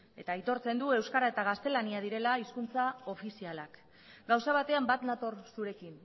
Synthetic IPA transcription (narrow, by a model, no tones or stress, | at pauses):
e̞t̪ait̪o̞ɾt͡se̞nd̪ue̞wskaɾae̞t̪aɣ̞ast̪e̞laniað̞iɾe̞laiskunt͡sao̞fisialak | ɡawsaβ̞at̪e̞ambat̪nat̪o̞ɾsuɾe̞kin